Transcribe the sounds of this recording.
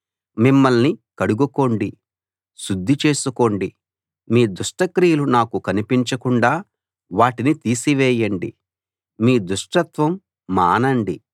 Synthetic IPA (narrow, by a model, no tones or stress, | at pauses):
mimːɐlnikɐɽuɡuko̞ːɳɖi | ʃud̪ʱːit͡ʃe̞ːsuko̞ːɳɖi | miːd̪uʂʈɐkɾijulunaːkukɐnipiɲt͡ʃɐkuɳɖaː | ʋaːʈinit̪iːsiʋɛːjɐɳɖḭ | miːd̪uʂʈɐt̪ʋɐmː | aːnɐɳɖi